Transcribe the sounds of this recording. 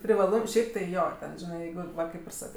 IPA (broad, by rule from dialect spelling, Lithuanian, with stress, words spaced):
pʲrʲɪʋɐˈlˠʊm ˈʃʲɛɪp tɐɪ ˈjoː ˈtʲɛn ˈʒʲɪnɐɪ ˈjɛɪɡʊ ˈʋɐ ˈkɐɪp ɪr ˈsɑːkɜ